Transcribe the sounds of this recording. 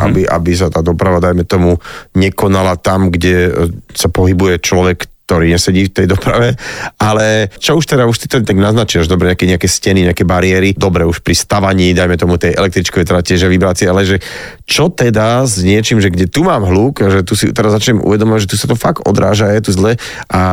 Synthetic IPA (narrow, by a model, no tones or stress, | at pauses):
ʔa̰biʔa̰bis̬at̪aːd̪ɔpɾaʋad̪ajmɛt̪ɔmuɲɛkɔnalat̪amɡɟɛsapɔɦibujɛt͡ʃlɔʋɛkːt̪ɔɾiːɲɛsɛɟiːft̪ɛjd̪ɔpɾa̰ʋɛalɛt͡ʃɔuʃt̪ɛd̪auʃt̪it̪ɔt̪aɡnaznat͡ʃiaʒd̪ɔbɾɛɲɛakɛɲɛakɛscɛniɲɛakɛbaɾiɪɛɾid̪ɔbɾɛuʃpɾist̪aʋaɲiːd̪ajmɛt̪ɔmut̪ɛjʔɛ̰lɛk̚t̪ɾit͡ʃkɔʋɛjt̪ɛɾacɛʒɛʋibɾaːt͡sɪɛalɛʒɛ | t͡ʃɔt̪ɛd̪azɲɪɛt͡ʃiːmʒɛɡɟɛt̪umaːmɦluːkaʒɛt̪usit̪ɛɾazːat͡ʃɲɛmʔṵʋɛd̪ɔmɔʋaɟʒɛt̪usat̪ɔfaɡ̚t̪ʔɔ̰d̪ɾa̰ːʒajɛt̪uzlɛ | ʔa